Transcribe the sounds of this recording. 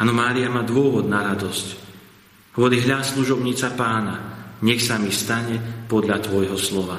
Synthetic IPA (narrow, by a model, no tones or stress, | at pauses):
anɔmaːɾiamaːd̪ʊɔʋɔd̪naɾad̪ɔsc | ɦʊɔliɦʎasluʒɔbɲiːt͡sapaːnaɲɛxsamist̪aɲɛpɔd̪ʎat̪ʋɔjɦɔslɔʋa